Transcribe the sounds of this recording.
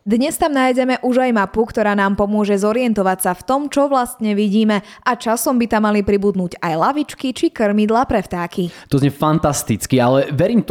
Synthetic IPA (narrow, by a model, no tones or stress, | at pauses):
d̪ɲɛst̪amnaːjɟɛmɛʔuʒajmapukt̪ɔɾaːnaːmpɔmʊɔʒɛzɔɾɪɛnt̪ɔʋacsaft̪ɔmt͡ʃɔʋlast̪ɲɛʋiɟiːmɛʔat͡ʃasɔmbit̪amːalipɾibud̪nuːɟajlaʋit͡ʃkit͡ʃikr̩mid̪lapɾɛft̪aːkit̪ɔzɲɛfant̪ast̪it͡skialɛʋɛɾiːm